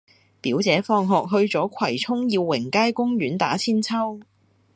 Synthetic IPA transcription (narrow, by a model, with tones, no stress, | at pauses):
piː˨˥wt͡sɛː˨˥fɔː˧ŋɦɔː˨k̚ɦɵ˧ɥt͡sɔː˨˥kʷʰwɐ˨˩jt͡sʰʊ˥ŋjiː˧wːɪ˨˩ŋkaː˥jkʊ˥ŋjyː˨˥nt̪aː˨˥t͡sʰiː˥nt͡sʰɐ˥w